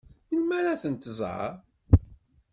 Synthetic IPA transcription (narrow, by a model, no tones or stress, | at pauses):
jəlmæɾaθənt̪əzˤʕə̰